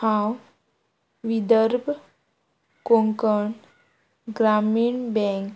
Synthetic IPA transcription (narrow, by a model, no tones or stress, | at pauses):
hãw | ʋid̪əɾbʱ | koŋkəɳ | ɡɾamiːɳbɛ̃ŋk